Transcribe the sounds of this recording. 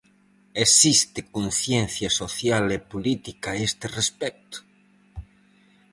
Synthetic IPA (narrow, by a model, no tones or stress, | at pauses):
esist̪ɪkonθjen̟θjɐsoθjalepolit̪ikaest̪erespɛk̚t̪ʊ̥